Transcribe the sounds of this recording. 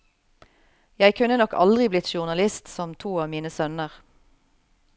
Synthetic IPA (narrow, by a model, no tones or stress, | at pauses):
jæɪkʰʉnənɔkɑ̰ld̪ʁɪblɪt̪ʃʊʁnɑlɪst̪sɔmt̪ʰuːɑːʋmiːnəsœnəʁ